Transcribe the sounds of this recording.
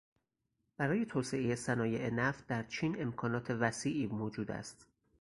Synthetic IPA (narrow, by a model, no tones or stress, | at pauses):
b̥æɾɒːje̞t̪ʰoːseʔejesænɒːjeʔenæft̪̚d̪æɾt͡ʃʰiːne̞mkʰɒːnɒːt̪ʰe̞væsiːʔiːmoːd͡ʒuːd̪æ̰st̪